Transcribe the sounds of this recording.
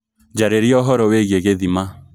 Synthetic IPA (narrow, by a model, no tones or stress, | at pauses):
d͡ʒaɾeɾiɔɦɔɾɔweɣeɣeðima